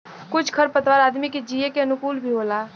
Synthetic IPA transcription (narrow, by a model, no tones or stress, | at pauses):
kʊt͡ʃʰkʰəɾpət̪waɾaːd̪miked͡ʒijekeənʊkuːlbʱiɦolaː